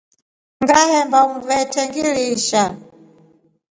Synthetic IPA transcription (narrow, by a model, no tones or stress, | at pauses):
ŋɡahɛmbauuvɛtʰɛŋɡiliʃa